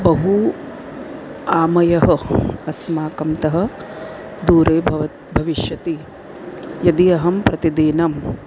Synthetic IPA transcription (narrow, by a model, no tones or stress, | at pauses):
bɐɦu | aːmɐjɐɦɐɐsmaːkɐmt̪ɐɦɐ̆ | d̪uːɾeːbɐʋɐ | bʱɐʋiʃjɐt̪i | jɐd̪iɐɦɐmpɾɐt̪id̪eːnɐm